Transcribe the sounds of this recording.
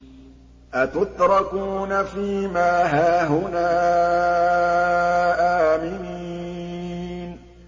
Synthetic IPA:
ʔat̪ʊt̪ɾˤɑkuːnafiːmaːɦaːɦʊnaː | ʔaːmɪniː | n

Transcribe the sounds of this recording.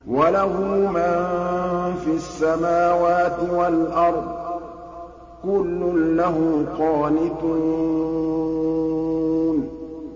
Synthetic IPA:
walaɦʊːman | fiasːamaːwaːt̪ɪwalʔɑɾˤd̪ˤ | kʊlːʊnlaɦʊmqɑːnɪt̪ʊ | n

